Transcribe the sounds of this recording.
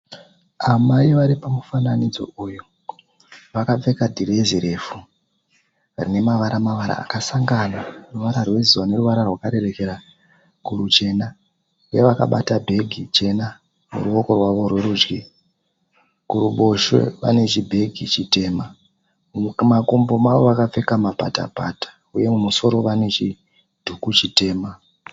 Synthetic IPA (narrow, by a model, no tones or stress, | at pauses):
amaiʋaɾipamufananid͡zo̞̰ujo | ʋakap͡fe̞kadʱireziɾe̞fu | ʋarine̞maʋaɾamaʋaɾa̰ːkasaŋɡanaruʋaɾarwe̞ziwane̞ɾuʋaɾarwakaɾe̞re̞ke̞ɾa | kuɾut͡ʃe̞na | jeʋaka̰ɓa̰tabʱe̞ɡʱit͡ʃe̞na | mṵruo̞ko̞rwaʋo̞rwe̞ɾud͡ʒɡi | kuɾuɓo̞ʃwḛʋa̰ne̞t͡ʃibʱe̞ɡʱit͡ʃite̞ːma | makombo̞maʋo̞ʋakap͡fe̞kamapa̰ta̰patḁ | uje̞mumuso̞ɾo̞ʋane̞t͡ʃi | d̥ʱukut͡ʃite̞ːma